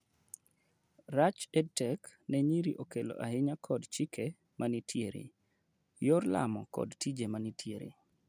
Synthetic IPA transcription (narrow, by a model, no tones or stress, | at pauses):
rat͡ʃɛd̚tɛk | nɛɲiɾiʔokelo̰ʔahɪɲakʰɔdt͡ʃikʰe | mʔanitʰjeɾḭ | joɾla̰mɔ̰kɔ̰dtid͡ʒemanitʰjeɾḭ